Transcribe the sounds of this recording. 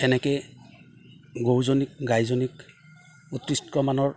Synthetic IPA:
ɛnɛkej | ɡowzonik̚ɡajzɔnik | ut̪ɹistkɔmanɔɹ

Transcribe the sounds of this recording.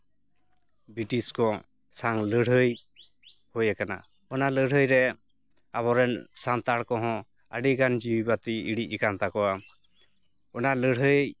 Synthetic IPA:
biʈiskɔ | saŋləɽ̤ɦəj | hɔjɛkana̰ | ɔnaləɽ̤ɦəjɾɛ | aβɔɾɛnsant̪aɽkɔɦɔ̃ | ə̰ɖiɡand͡ʒiibat̪iiɽic̚ˀikant̪akɔwa | ɔnaləɽɦəj

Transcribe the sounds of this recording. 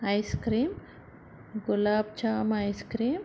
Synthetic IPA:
ajskɾiːm | ɡʊlaːbt͡ʃʰamajskɾiːm

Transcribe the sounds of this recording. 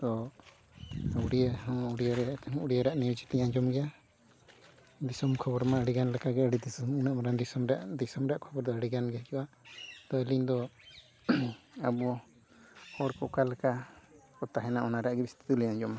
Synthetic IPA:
t̪ɔ | uɽiahɔ̃uɽijaɾɛɔ̃uɽijaɾaʔnid͡ʒit̪ɛɲãd͡ʒɔmɡɛja | d̪isɔmkʰɔbɔɾmaəɽiɡanlɛkaɡɛəɽid̪isɔmunamaɾand̪isɔmɾa̰ʔd̪isɔmɾɛaʔkʰɔbɔɾd̪ɔəɽiɡanɡɛd͡ʒuʔa | t̪ɔɛliɲd̪ɔ | abu | hɔɽkɔkalɛkakɔt̪aɦɛnaʔɔnaɾaʔɡɛbist̪i̥t̪uliɲãd͡ʒɔma

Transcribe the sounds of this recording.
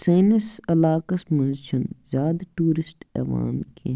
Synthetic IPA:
sɐːnisɐlaːkɐsmɐnʃɐnzaːd̪ʈuːɾɪsʈɛ̰ːʋa̰ːnkʰe

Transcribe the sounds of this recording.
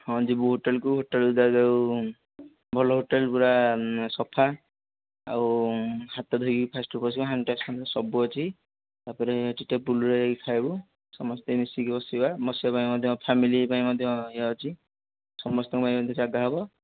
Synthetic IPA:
hɔ̃d͡ʒibuɦoʈelkuɦoʈelud̪adaw | bʱɔlɔɦoʈelpuɾasɔpʰa | a̰what̪ɔd̪ʱoɡipʰasʈɔbɔs̬ibaɦanʈaskʰɔnd̪ɔsɔbuɔt͡ʃʰi | t̪apaɾeʈiʈepuluɾekʰajbu | sɔmɔst̪emisikbɔsibamɔsiɔpaĩmɔd̪ʱjɔpʰamilipaĩmɔd̪ʱjɔjaɔt͡ʃʰi | sɔmɔst̪ɔŋkupaĩɔd̪ʱɔt͡ʃaɡaɦɔbɔ

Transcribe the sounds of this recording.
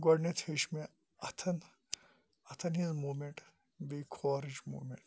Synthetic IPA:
ɡɔɖnet̪ʰheʃme | ɐt̪ʰɐn | ɐt̪ʰɐnɦizmuːmeɳʈ | bekʰɔɾid͡ʒmṵːmeɳʈ

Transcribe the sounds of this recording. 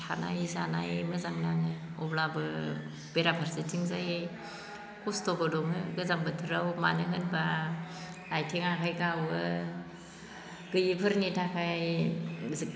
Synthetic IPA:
tʰa̰na̰jzana̰jmɯzaŋnaŋɯɔblabɯ | b̥eɾabʰaɾsitʰiŋzaje | kustobɯdɔŋɯɡɯzaŋbɯtʰɯɾawma̰nɯɦɯnba | ajtʰeŋakʰajɡawɯ | ɡ̥ɯjipʰɯɾnitʰakʰajj

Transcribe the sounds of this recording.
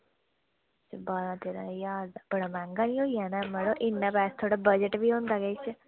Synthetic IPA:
t͡ʃbaːɾãːt̪eːɾa̰jaːɾd̪ab̥əɽaːmɛ̃ːŋɡaːnĩːoːijaːnɛːməɽoːʔɪnːãːpɛːst̪ʰoːɽaːbəd͡ʒəʈbiːõːnd̪aːɡəit͡ʃ

